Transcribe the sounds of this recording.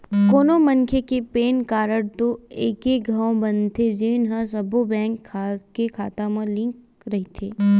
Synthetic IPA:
koːnomɐŋkʰekepeːnkaːɾəɽt̪oeːkeɡʱãːõbɐnt̪ʰed͡ʒeːnɦãsɐbobɛ̃ːŋkʰːakekʰaːt̪amɐ̃lɪ̃ŋk | ɾɐɦit̪ʰeː

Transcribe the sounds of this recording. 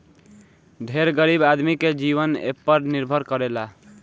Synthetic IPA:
ɖʱeɾɡəɾibad̪miked͡ʒiʋənḛpːəɖniɾbʱəɾkəɾela

